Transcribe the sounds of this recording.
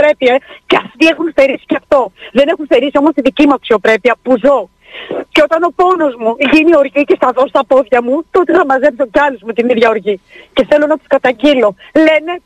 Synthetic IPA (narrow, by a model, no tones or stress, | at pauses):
ɾe̞pieceɐft̪ie̞xunste̞ɾisi̥ceɐft̪o̞ðe̞ne̞xunsθe̞ɾisio̞most̪iðicimuɐksio̞pɾe̞piɐpuzo̞ | ceo̞t̪ɐno̞po̞no̞zmuʝinio̞ɾʝicest̪ɐðo̞st̪ɐpo̞ðʝɐmut̪o̞t̪eθɐmɐze̞pso̞cɐluzmut̪iniðʝɐo̞ɾʝice̞θe̞lonɐt̪i̥skɐt̪ɐɲɟilo̞le̞ne̞